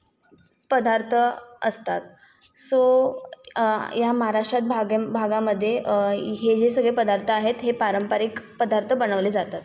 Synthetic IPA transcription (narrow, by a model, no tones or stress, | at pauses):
pəd̪aɾt̪ʰəə̰st̪at̪ | so | jaməɦaɾaʂʈɾat̪̚bʱaɡbʱaɡaməd̪ʱːjeɦed͡ʑesəɡɭepəd̪aɾt̪ʰəaɦet̪ɦepaɾəmpəɾikpəd̪aɾt̪ʰəbəñəʋled͡zat̪at̪